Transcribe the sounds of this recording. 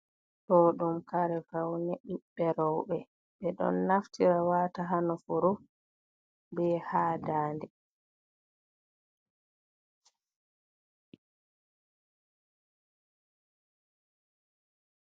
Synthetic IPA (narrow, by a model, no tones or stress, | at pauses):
tɔɗumkaɾɛfawnɛɗuɓːɛɾɔwbɛ | ɓɛɗɔ̰nːaftiɾawaːtaɦanɔfuɾu | bɛhaːdaːndɛ